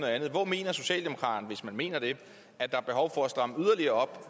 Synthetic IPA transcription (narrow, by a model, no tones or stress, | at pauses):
noðˠænð̩ˠʋɒme̝̰ːnɐso̝ɕɛ̰ːld̥e̝mo̝kʰʁɑ̈ːd̥ɐn̩ʋe̝smænme̝̰ːnɐd̥e̝ | æd̥ɑ̈æb̥e̝ɦɒʊfɒ̽æsd̥ʁɑ̈məyð̞ˠɐliɐːɒ̽b̥